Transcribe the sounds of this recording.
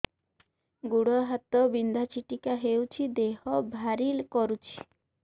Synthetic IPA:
ɡuɽɔɦat̪ɔbind̪ʱat͡ʃiʈikaɦewt͡ʃʰid̪ehɔbʱaɾilkɔɾut͡ʃʰi̥

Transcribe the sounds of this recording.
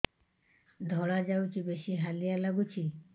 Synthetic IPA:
d̪ʱɔɽad͡ʑawt͡ɕibeʃiɦalijalaɡut͡ɕʰi

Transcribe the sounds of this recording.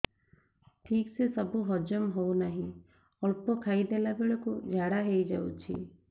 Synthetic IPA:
ʈʰiːksesəbuɦɔd͡ʒɔmɦounaɦĩ | ɔlpokʰaid̪elabeɭɔkud͡ʒʱaɽaɦeid͡ʒa̰ṵt͡ʃʰḭ

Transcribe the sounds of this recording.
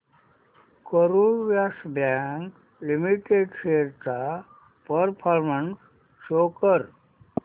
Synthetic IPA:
koɾuʋjasbãŋk | limiʈeɖseɾt̪a | pəɾpʰaɾmənsː | oːkəɾ

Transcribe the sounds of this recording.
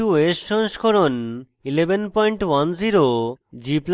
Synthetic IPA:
uesːɔŋʃkʰoɾon | ilebenpɔjɳʈwanziɾod͡ʑipl

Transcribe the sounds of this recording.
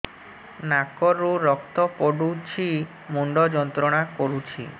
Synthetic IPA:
nakɔɾuɾɔk̚t̪ɔpɔɽut͡ʃʰi | muɳɖɔd͡ʒɔnt̪ɾɔɽ̃akɔɾut͡ʃʰḭ

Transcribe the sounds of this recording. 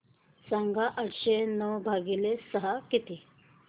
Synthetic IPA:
saŋɡaʔəʈʰɕenəwbʱaɡilesəɦakit̪iː

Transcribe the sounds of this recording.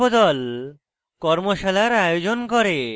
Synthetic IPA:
od̪ɔl | kɔɾmoʃalaɾajod͡ʑonkoɾe

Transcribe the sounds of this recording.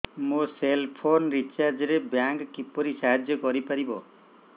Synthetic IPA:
mũselpʰonɾit͡ʃaɾd͡ʒɔɾebjaŋkkipɔɾisaɦad͡ʒjɔkɔɾipaɾibɔ

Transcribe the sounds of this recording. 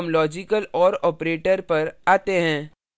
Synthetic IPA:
mlɔːd͡ʒɪkəlɔːɾɔːpɾeːʈəɾpɐɾaːt̪eɦɛ̃ː

